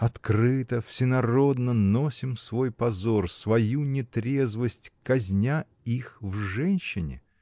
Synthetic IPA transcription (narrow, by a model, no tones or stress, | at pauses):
ɐt̪kɾɨt̪əfsʲɪnɐɾo̞d̪nəno̞sʲɪmsvo̞jpɐzorsvɐjunʲɪt̪ɾʲe̞zvəsʲtʲkɐzʲnʲa | ixvʐɛnʲɕːɪnʲɪ̰